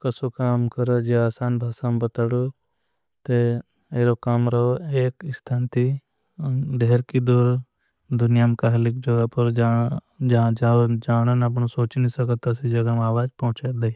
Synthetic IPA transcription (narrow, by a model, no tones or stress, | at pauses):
kɐsokaːmkɐɾed͡ʒeaːsaːnbʱaːsaːmbɐt̪aɽo | t̪e | eːɾokaːmɾɐoeːkɪst̪ʰaːnt̪i | ɖeɦɾkid̪oːɾ | d̪ʊnɪjamkaɦɐlɪkd͡ʒɐɡapɐɾd͡ʒ | d͡ʒd͡ʒaːd͡ʒaːɽ̃ənɐpnosoːt͡ʃnĩsɐkət̪ɐsid͡ʒɐɡamaːʋaːd͡ʒpɐɦʊ̃t͡ʃaɾd̪ei